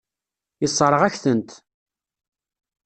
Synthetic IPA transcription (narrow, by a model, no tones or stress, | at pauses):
jəsˤːɾˤəʁæçθənt̪